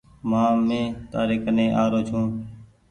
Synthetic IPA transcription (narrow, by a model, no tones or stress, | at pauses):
mãːmẽːt̪aːɾɪːkənẽːʔaːɾoːt͡ʃʰũː